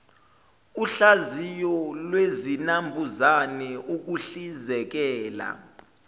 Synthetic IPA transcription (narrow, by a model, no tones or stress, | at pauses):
uɬazijɔlwezinambʱuzanɛuk̬uɬizɛk̬ɛːla̰